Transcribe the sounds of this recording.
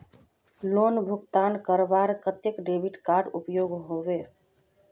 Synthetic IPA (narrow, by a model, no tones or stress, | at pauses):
lonbʱʊkt̪aːnkəɾbaɾkət̪jekɖebʱiʈkaɾɖupjoɡɦoʋe